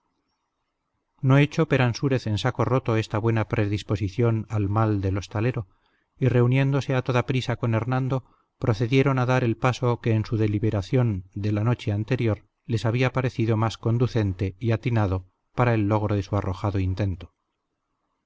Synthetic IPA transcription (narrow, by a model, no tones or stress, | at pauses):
no̞et͡ʃo̞pe̞ɾansuɾe̞θe̞nsako̞rot̪o̞e̞st̪aβwe̞napɾe̞ðispo̞siθjo̞nalmald̪e̞lo̞st̪ale̞ɾo̞ | ire̞unje̞nd̪o̞se̞at̪o̞ðapɾisako̞ne̞ɾnãnd̪o̞ | pɾo̞θe̞ðje̞ɾo̞naðaɾe̞lpaso̞keːnsuðe̞liβe̞ɾaθjo̞nd̪e̞lano̞t͡ʃe̞ant̪e̞ɾjo̞ɾ | le̞saβiapaɾe̞θiðo̞masko̞nd̪uθe̞nt̪e̞iat̪inað̞o̞ | paɾae̞lːo̞ɣ̞ɾoðe̞suaro̞xaðoint̪e̞nt̪o̥